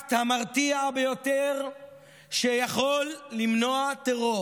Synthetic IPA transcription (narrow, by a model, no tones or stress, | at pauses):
t̪hamaʁt̪iabejo̞teʁ | ʃejaχo̞lːimno̞at̪eʁo̞